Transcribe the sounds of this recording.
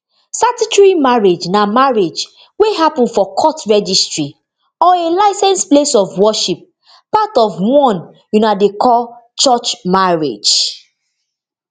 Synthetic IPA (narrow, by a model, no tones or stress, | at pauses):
satitɹimaɹed͡ʒnamaɹed͡ʒ | weɦapɔ̃nfɔkʰɔtɹɛd͡ʒistɹi | ɔelaɪsɛ̃nsplesɔvwɔʃip̚ | patɔvwɔ̃n | junadekʰɔlt͡ʃɔt͡ʃmaɹḛd͡ʒ